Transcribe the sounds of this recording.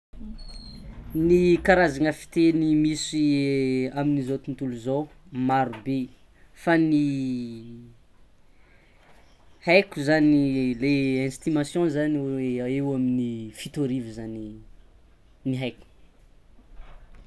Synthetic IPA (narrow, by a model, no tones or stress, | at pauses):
nikaɾazaŋəfi̥t̪enimisi | aminizot̪unt̪uluzomaɾube | fani | hajkʲuzanileɛ̃st̪imasjɔ̃zaneewaminifit̪oɾivizani | niɦajkʲu̥